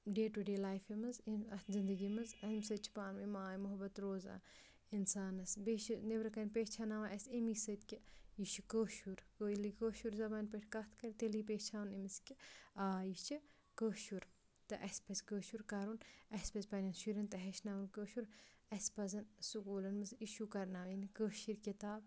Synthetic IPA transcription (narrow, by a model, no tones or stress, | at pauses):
ɖeːʈuɖeːlaːjfimɐziɐzind̪ɐɡimɐzɐimsɐt̪̚t͡ʃʰi̥paːnmimaːjmʊɦbɐt̪ɾoːza̰ː | insaːnɐsbet͡ʃinebɾɐkɐnʲpeːt͡ʃʰaːnaʋaʔɐsʲimisɐt̪kʲijit͡ʃʰikoːʃuɾkolikoːʃuɾzɐbaːnpeʈʰʲkɐt̪ʰkɐɾʲit̪eliːpeːt͡ʃʰaːnimiskʲiaːjit͡ʃʰi | kəːʃuɾ | t̪ɐ̰ʔɐsʲpɐzʲkəːʃuɾkaɾunɐsʲpɐzʲpɐnʲɐnʃuɾɐnt̪ɐɦɐʃnaːʋɐnkəːʃuɾ | ɐspɐzɐnsukuːlɐnmɐziʃukɐɾnaːʋinikəːʃiɾkit̪aːb